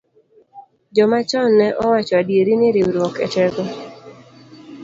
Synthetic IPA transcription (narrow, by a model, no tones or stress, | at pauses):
d͡ʒɔmat͡ʃɔnːɛʔɔwat͡ʃɔadjeɾinɪɾɪɾɔkɛ̰tɛɡɔ